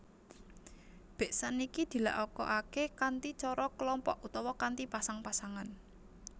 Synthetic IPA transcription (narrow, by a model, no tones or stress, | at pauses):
b̥e̤ʔsanikid̪̥i̤la̰ʔɔkɔ̰ʔakekant̪it͡ʃɔɾɔkəlɔmpɔʔut̪ɔwɔkant̪ipasaŋpasaŋan